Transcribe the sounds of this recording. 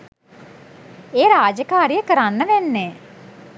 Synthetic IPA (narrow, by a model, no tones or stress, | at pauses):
eːɾaːd͡ʒkaːɾiəkəɾanʋɛnːeː